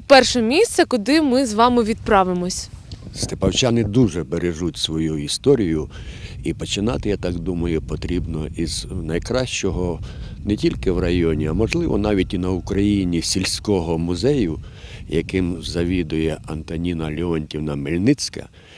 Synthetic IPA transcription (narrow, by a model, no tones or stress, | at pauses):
pɛrʃɛmʲisʲt̪sʲɐkʊd̪ɪmɪzʋɑmɪʋʲid̪̚pɾɑʋɪmɔsʲst̪epɐwt͡ʃɑnɪd̪uʒɛbeɾeʒutʲsʋɔjuist̪ɔɾʲijʊ | ipɔt͡ʃɪnɑt̪ɪjat̪ɑkd̪umɐjʊpɔt̪ɾʲibnɔiznɐjkɾɑʃt͡ʃɔɦɔ | nɛtʲilʲkɪwrɐjɔnʲiɐmɔʒlˠɪʋɔ̰nɑʋʲitʲinɐʊkɾɐjinʲisʲilʲsʲkɔɦɔmʊzɛjʊ | jɐkɪmzɐʋʲid̪ʊjɛɐnt̪ɐnʲinɐlʲiɔnʲtʲiwnɐmelʲnɪt͡sʲkɐ̰